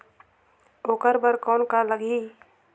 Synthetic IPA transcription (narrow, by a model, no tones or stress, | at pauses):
oːkəɾbəɾkɔːnkaləɡi